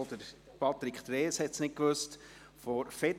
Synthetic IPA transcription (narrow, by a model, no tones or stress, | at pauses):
d̪əɾ | pʰɑt̪ɾikʰt̪ɾeːshɛtsnɪt̚kʋøst | fɔɾfet